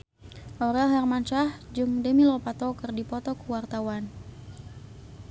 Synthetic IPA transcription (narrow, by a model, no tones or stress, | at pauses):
ʔɔɾɛlɦɛrmant͡ʃahd͡ʒuŋdəmilɔpat̪ɔkɨrdipɔt̪ɔkuwart̪awan